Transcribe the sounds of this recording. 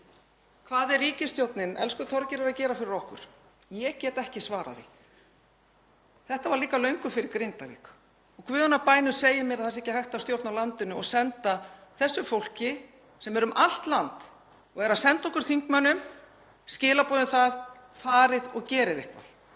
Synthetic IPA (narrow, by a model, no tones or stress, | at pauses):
kʰvaːðɪrriːcɪst̪jowt̪nɪnɛ̰lskʏt̪ʰɔɾcɪɾaɾacɛːɾafɪɾɪɾɔhkʏ̰ɾ̥ | jɛcɛːt̪ɛhcɪsvaːɾa̰ðḭ | θɛht̪avaɾliːkalœɥŋkʏfɪɾɪɾkɾent̪avḭːk | ɔɣkʰvʏːðanːapaːjnʏ̥seːjamjɛɾaðθas̬ɛhcɪhajht̪awst̪jowɾt̪nawlant̪ʏnʏɔɣsɛnt̪aθɛsːʏfowl̥cɪ | sɛmɛɾʏmʔal̥t̪lant̪ | ɔɣɛɾaðsɛnt̪ɔhkʏɾ̥θiŋkmœnːʏm | scɪːlapɔːðɪnθað | faːɾɪðɔɣcɛːɾɪðɪhkva̰l̥